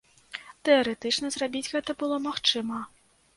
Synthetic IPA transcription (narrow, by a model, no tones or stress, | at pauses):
t̪ɛɐɾɛt̪ɨt͡ʂnɐzrabʲid͡zʲɣɛt̪ɐbɨlˠɔmaxt͡ʂɨmɐ